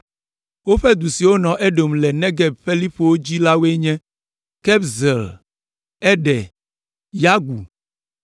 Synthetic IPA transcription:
wo˦ɸɛ˦d̪u˨si˨wo˦nɔ̃˨ʔɛ˦ɖo˨mlɛ˨nɛ̃˦ɡɛ˨b̚ɸe˦li˦ɸo˦wo˦d͡ʑi˦la˦we˦ɲɛ̃˦ | kɛ˦bzɛ˨l | ɛ˦ɖɛ˨ | ja˦ɡu˨

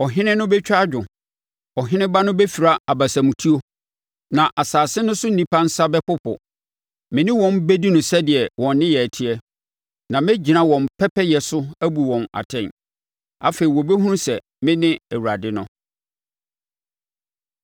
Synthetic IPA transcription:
ɔ˨ɦɪ̃˦nɪ̃˦nʊ̃˦bɛ˦t͡ɕᶣa˦d͡ʑᶣʊ̃˨ | ɔ˨ɦɪ̃˦nɪ̃˦ba˦nʊ̃˦bɛ˦fi˨ɾa˦a˨ba˨sã˨mũ˨tʰi˦o˦ | nã˨ʔa˨saː˨sɪ˦nʊ̃˦sʊ˦n̩˨nĩ˦pʰã˦n̩˦sa˦bɛ˦pʊ˦pʰʊ̰˨ | mɪ̃˨nɪ̃˦wɔ̃˨mbe˦di˦nʊ̃˨sɛ˦dɪ˨ɛ˨wɔ̃˨nː˦ɪ̃˦jɛ˨æ˨tʰɪ˦ɛ˦ | nã˨mɛ̃˦d͡ʑi˨nã˦wɔ̃˨m˨pʰɛ˦pʰɛ˦jɛ˨sʊ˦æ˦bu˨wɔ̃˨na̰˨tʰɛ̃˨n | a̰˨fe˨i˨wɔ̃˨be˦ɦũ˦ɾũ˦sɛ˨ | mɪ̃˦nɪ̃˦æ˨wu˨ɾa˨dɪ˦nʊ̰̃˦

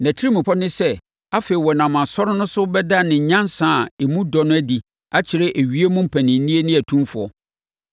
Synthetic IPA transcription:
næ̃˨tʰi˦i˦mũ˨pʰɔ˦nɪ̃˦sɛ˦ | a˦fe˨i˨wɔ˨nã˨mã˨sɔ˦ɾʊ˦nʊ̃˦sʊ˦bɛ˦da˦nɪ̃˨ɲã˦nsã˦˨e˨mũ˦dɔ˨nʊ̃˦æ˦di˨ | a˦t͡ɕʰɪ˨ɾɛ˦ʔæ˨ɥi˦e˦mũ˦m̩˦pʰæ̃˨nɪ̃˨n˦nĩ˦e˦nɪ̃˦æ˨tʰũ˦mfʊ˨ɔ̰˨

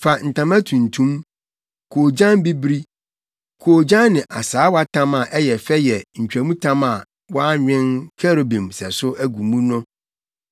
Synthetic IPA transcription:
fa˨n̩˨tʰã˨mæ̃˦tʰũ˨n̩˨tʰũ˦m | kʰoː˨d͡ʑã˦n˦bi˦bɾi˦ | kʰoː˨d͡ʑã˦nːɪ̃˨ʔa˨saː˨˦wa˦tʰã˦ma˨ʔɛ˦jɛ˨fɛ˦jɛ˨ɲ̩˨t͡ɕᶣæ˨mũ˦tʰã˦ma˨ | wɔ˦ɲᶣɪ̃˦nkʰɛ˦ɾo˨bĩ˨msɛ˨sʊ˦ʔæ˦ɡu˨mũ˦nʊ̃˦

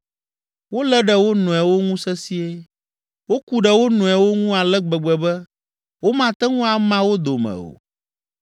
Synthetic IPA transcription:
wo˦lɛ˦ɖɛ˨wo˦nɔ̃˨ɛ˨wo˦ŋũ˦sɛ˦si˦e˦ | wo˦ku˦ɖɛ˨wo˦nɔ̃˨ɛ˨wo˦ŋũ˦a˨lɛ˦ɡ͡bɛ˨ɡ͡bɛ˨bɛ˦ | wo˦mã˨t̪ɛ˦ŋũ˦a˨mã˦wo˦d̪o˨mɛ̰̃˨o̰˨

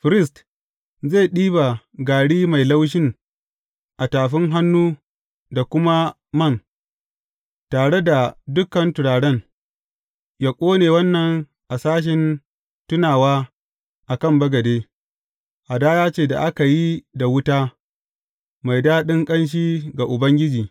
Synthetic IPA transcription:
ɸɪ˦ɾɪ˦˨st | ze˦˨ɗiː˦ba˨ | ɡaː˨ɽiː˦ma˨jla˦wʃ̬ɪ˦ŋ | ʔa˨taː˨ɸɪ˦ŋɦa˦nːuː˦ | da˨kʷʊ˦ma˦ | mɐ˦˨ŋ | taː˨ɽe˦da˨dʊ˦kɐ˨ntʊ˨ɽaː˨ɽɛ˦n | ja˨kʷʼoː˦neː˨wɐ˦nːɐ˨ŋ | ʔa˨saː˦ʃ̬ɪ˨n | tʊ˦naː˨waː˦ | ʔa˨kɐ˦˨mbɐ˦ɡɐ˨deː˦ | ʔa˨daː˦jaː˦t͡ʃeː˦˨da̰˨ʔa˦ka˨ji˦da˨wʊ˦taː˦ | ma˨jdaː˦ɗɪ˦ŋkʼɐ˦nʃ̬iː˦ɡa˨ʔʊ˨bɐ˦ŋɡʲɪ˦d͡ʒiː˨

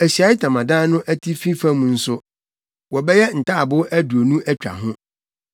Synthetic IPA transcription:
æ˨ɕi˨a˨˦ɪ˦tʰã˨mã˨dã˦nʊ̃˦ʔæ˦tʰi˦fi˦fã˦mũ˨n̩˦sʊ˦ | wɔ˨bɛ˦jɛ˦n̩˨taː˦a˨bʊ˦æ˦du˨o˨nũ˦ʔæ˦t͡ɕᶣa̰˨ɦʊ̃˦

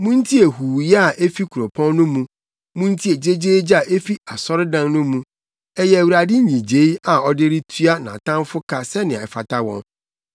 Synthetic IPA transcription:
mũ˦n̩˦tʰi˦e˨huː˨jɛ˦a˨ʔe˦fi˦kʰu˨ɾo˨pʰɔ̃˦nː˦nʊ̃˦mũ˨ | mũ˦n̩˦tʰi˦e˨d͡ʑe˦d͡ʑeː˦d͡ʑa˨ʔe˦fi˦a˨sɔ˦ɾɪ˦dã˦nnʊ̃˦mũ˦ | ɛ˦jɛ˦æ˨wu˨ɾa˨dɪ˦ɲĩ˨d͡ʑe˨˦i˦a˨ɔ˦dɪ˦ɾi˦tʰɥa˦nã̰˨tʰã˦mfʊ˦kʰa˦sɛ˦nɪ̃˨ã˨ɛ˨fa˨tʰa˦wɔ̰̃˦n

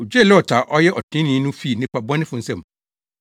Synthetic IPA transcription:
o˨d͡ʑᶣe˦˨lɪ˦ɔ˨tʰa˨ʔɔ˦jɛ˦ʔɔ˨tʰɪ̃˦nɪ̃˨˦nʊ̃˦fi˦˨nɪ̃˦kʷa˨bɔ̃˦nɪ̃˦fʊ̃˨n̩˦sɛ̃˦˨m˨

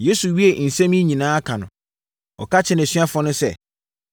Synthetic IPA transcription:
je˦su˨ɥi˦e˨n̩˨sɛ̃˦mĩ˦ɲĩ˨nãː˦a˦kʰa˨nʊ̰̃˨ | ɔ̰˨kʰa˦t͡ɕʰɪ˦n˨æ˨sɥa˦fɔ̃˦nʊ̃˦sɛ̰˦

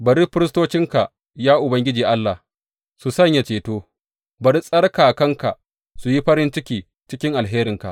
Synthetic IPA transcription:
bɐ˨ɾiː˦ɸɪ˦ɾɪ˦s̬toː˦t͡ʃɪ˦ŋka˨ | jaː˦ʔʊ˨bɐ˦ŋɡʲɪ˦d͡ʒiː˨ʔa˦lːa˨h | su˨sɐ˦ɲja˨t͡ʃeː˨toː˦ | bɐ˨ɾi˦sʼɐ˦rkaː˨kɐ˦ŋka˨ | su˨ji˦ɸɐ˦ɾɪ˦nt͡ʃɪ˦kʲiː˨ | t͡ʃɪ˦kʲɪ˦ŋʔa˨lɦeː˦ɾɪ˨ŋka̰˨ʔ

